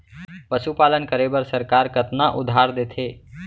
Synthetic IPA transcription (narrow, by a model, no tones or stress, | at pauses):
pəsupaːlənkəɾeːbəɾsəɾkaːɾkət̪naʔʊd̪ʱaːɾd̪eːt̪ʰeː